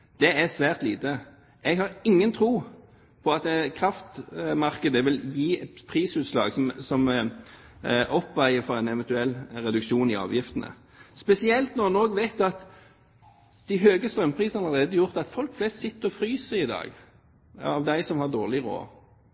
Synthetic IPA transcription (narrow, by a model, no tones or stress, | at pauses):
d̪̥ɛæsʋæːʁt̪liːt̪ə | ɛɡhɑʁɪŋːənt̪ʰɾuː | pʰɔɑt̪ɛkʰʁɑft̪mɑʁkəd̪əʋɪljiːpʰʁiːsʉːt̪slɑ̰ːɡsɔmsɔm | ʔɔpːʋæɪəfɔʁɛnɛʋɛnt̪ʉɛlːɾɛd̪ʉkʃuːnɪɑ̰ːʋjɪft̪ənə̰ | spɛsɪɛlt̪nɔmɑnoːɡʋæɪt̪ɑt̪ | d̪̥æɪɦøːɡəst̪ɾœmpʰʁiːsnɑləʁeːd̪əjʊʁt̪ɑt̪fɔlkflɛst̪sɪt̪ːəɾɔfɾyːsəɪd̪ɑ̰ːɡ | ɑ̰ʋd̪æɪsɔmhɑʁd̪oːʁlɪʁo̰ː